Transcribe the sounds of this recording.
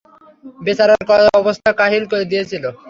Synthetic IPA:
besaɾaɾkɔɔbost̪ʰakaɦilkoɾed̪ijet͡ɕʰilo

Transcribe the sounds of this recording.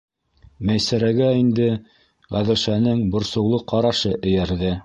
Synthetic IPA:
mæjsæɾæɡæind̪ɘ | ʁæðɘ̆ʃænɘŋbŏɾsɤ̆wlˠɤqɑɾɑʃɤʔɘ̆jæɾðɘ

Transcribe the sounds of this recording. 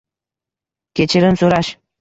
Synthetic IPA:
kʲet͡ɕɘɾɘ̆nsuɾɑɕ

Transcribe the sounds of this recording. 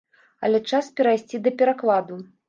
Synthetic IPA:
ɐ̰lʲɛt͡ʂaspʲɛɾajsʲt͡sʲid̪ɐpʲɛɾaklˠad̪u

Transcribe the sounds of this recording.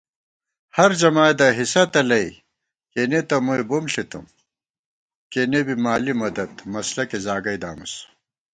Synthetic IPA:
hɐɾd͡ʑɐmaːjd̪ɐɦisɐt̪ɐlɐi | kenet̪ɐmujbumɬit̪ṵm | kenebimaːlimɐd̪ɐt̪mɐslɐkezaːɡɐjd̪a̰ːmus

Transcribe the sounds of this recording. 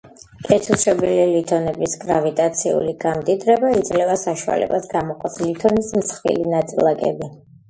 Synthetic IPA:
kʼɛt̪ʰusɾɔbililit̪ʰɔnɛbisɡɾavit̪ʼat̪sʰḭṵliɡ̥amd̪id̪ɾɛbaid̪zʼlɛvasaʃua̰lɛ̰basɡamɔqʼaslit̪ʰɔnismsχvḭlinat̪sʼilˠakʼɛ̰bi

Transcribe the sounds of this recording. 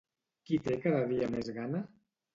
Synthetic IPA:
kit̪ekaðəðiəmezɣanə

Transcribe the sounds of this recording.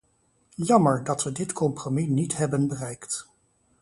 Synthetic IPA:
jɑməɹdɑtʋədɪtkɔmprominitɦɛbənbərɛjkt

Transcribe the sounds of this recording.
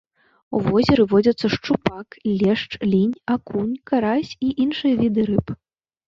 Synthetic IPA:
ṵvɔzʲɛɾɨvɔd͡zʲɐt̪sːɐʂt͡ʂupaklʲɛʂt͡ʂlʲinʲakunʲkaɾasʲiʔinʂɨjɐvʲid̪ɨɾɨp

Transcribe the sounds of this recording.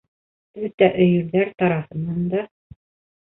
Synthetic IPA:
ɘt̪ːæʔɵ̆jɵ̆ɾðæɾt̪ɑɾɑhɤ̆nːɑnd̪ɑ

